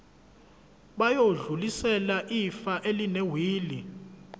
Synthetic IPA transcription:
ɓajoɮulisɛlaʔifaʔelinɛwiːli

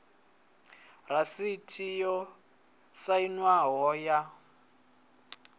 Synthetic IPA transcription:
rasitʰijɔ | sainwaɦɔja

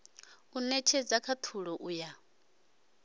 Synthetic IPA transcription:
unɛt͡ʃʰɛd͡zakʰat̪ʰuɺɔʔuja

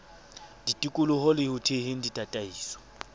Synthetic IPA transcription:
ditʼikʼʊlʊhɔlɪhʊtʰehɪn̩ditʼatʼaiːswɔ̥

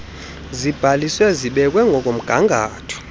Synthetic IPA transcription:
zib̥ʱaliswɛziɓɛk̬ʼwɛŋɡʱɔk̬ʼom̩ɡ̥ʱaŋɡʱaːtʰɔ̥

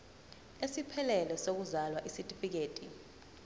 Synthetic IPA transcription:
esipʰɛlɛlɛsok̬uzalwaʔisitʼifik̬eːtʼi

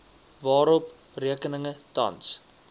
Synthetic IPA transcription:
vɑːɾɔp | riəkənəŋətɐ̰ns

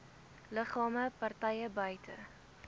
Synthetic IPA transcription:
ləχɑːməpɐrtɛjəbœjtʰə̰

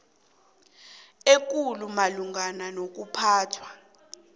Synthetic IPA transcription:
ek̬ulumaluŋananok̬upʰaːtʰwa

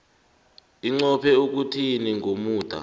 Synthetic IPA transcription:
iŋ͡ǀɔpʰɛuk̬utʰiniŋʱomuːd̥ʱa̰

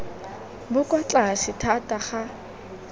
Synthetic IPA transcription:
bʊkʼɔt͡ɬʼasɪtʰatʼaχa

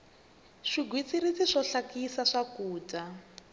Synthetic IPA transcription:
ʂiɡwit͡siɾit͡siʂɔɬakisaʂakuːta

